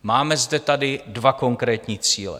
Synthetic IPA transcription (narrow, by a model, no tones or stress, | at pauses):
maːmɛzdɛt̪adɪdvako̞ŋkɾɛːt̪ɲiːt͡siːlɛ̰